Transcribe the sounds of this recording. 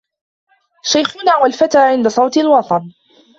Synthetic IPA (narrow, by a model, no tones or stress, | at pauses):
ʃajxʊnaːwalfat̪aːʕɪnd̪asˤɑwt̪ɪlwɑt̪ˤɑn